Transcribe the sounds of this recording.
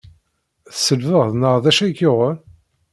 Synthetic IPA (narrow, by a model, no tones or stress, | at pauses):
θsəlvəʁðnəʁðæʃækːoʁən